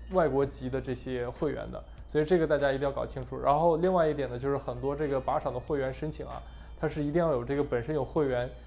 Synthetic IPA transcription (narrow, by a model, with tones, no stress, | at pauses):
wa˥˩ɪkwɔ˧˥t͡ɕi˧˥d̪ə˧ʈ͡ʂɤ˥˩ɕjɛ˥xwe˥˩ɪɥɛ̰˧˥nd̪ə̰˧ | swɔ˧˥i˨˩ʈ͡ʂɤ˥˩ɡə˩t̪a˥˩t͡ɕja˥i˧i˥˧jkɑ˨˩t͡ɕʰi˥ŋʈ͡ʂʰu˨˩ɻa̰˧˥nxo˥˧ʊli˥˧ŋwa˥˧ɪi˥˩t̪jɛ˨˩nd̪ə˦t͡ɕjʊʂɻ̩˥˩xə˨˩nt̪wɔ˥ʈ͡ʂɤ˥˩ɡə˩pa˧˥ʈ͡ʂʰɑ˨˩ŋd̪ə˦xwe˥˩ɪɥɛ˧˥nʂə˥nt͡ɕʰi˨˩˦ŋɐ̰˦ | t̪ʰa˥ʂ̬ɻ̩˥˩i˧˥t̪i˥˧ŋjɑ˥˩jo˨˩ʊʈ͡ʂɤ˥˩ɡə˩pə˨˩nʂə˥njo˨˩ʊxwe˥˩ɪɥɛ˧˥n